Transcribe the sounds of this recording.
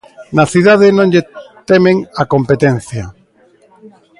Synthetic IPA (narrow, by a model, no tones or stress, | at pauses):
naθiðað̞enõŋʎet̪emẽŋakompet̪enθja